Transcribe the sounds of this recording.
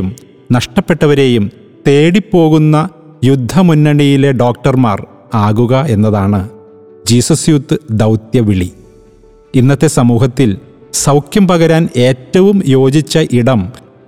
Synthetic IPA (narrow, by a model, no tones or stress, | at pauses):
um | nɐʂʈɐpːe̞ʈːɐʋɐɾe̞ːjum | t̪e̞ːɽipːo̞ːɣunːɐ | jud̪ʱːɐmunːɐɳijile̞ɖo̞ːk̚ʈɐrmaːr | aːɣuɣɐe̞nːɐðaːɳɨ | d͡ʑiːsɐsjut̪ːɨd̪ɐwt̪jɐʋiɭi | inːɐt̪ːe̞sɐmuːɦɐt̪ːil | sɐwkjɐmpɐɣɐɾaːne̞ːtːɐʋumjo̞ːd͡ʑit͡ɕːɐʔiɽɐm